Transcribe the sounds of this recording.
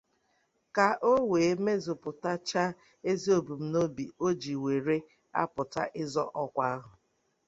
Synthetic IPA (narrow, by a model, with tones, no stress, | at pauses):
ka˨ʔo˦weː˨˦me˦zʊ˨pʊ˨ta˦t͡ʃa˦ | e˦zi˦o˨bu˨m̩˦no˦bi˨o˦d͡ʒi˨we˨ɾe˦ | a̰˦pʊ˨ta̰˦ʔɪ˦zɔ˦ʔɔ˦kʷa˦a˦ɦʊ˨